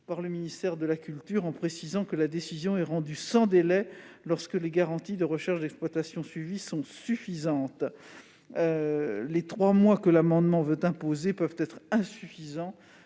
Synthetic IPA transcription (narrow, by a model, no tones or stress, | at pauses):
paʁləminist̪ɛʁd̪əlakʲylt̪yʁɑ̃pχesizɑ̃kəlad̪esizjɔ̃ɛʁɑ̃d̪ysɑ̃d̪elɛlɔʁskəleɡaʁɑ̃t̪id̪əʁəʃɛʁʃd̪ɛksplwat̪asjɔ̃sɥivisɔ̃syfizɑ̃t̪ | ølet̪χwamwakəlamɑ̃d̪mɑ̃vøt̪ɛ̃pozepœvt̪ɛt̪χɛ̃syfizɑ̃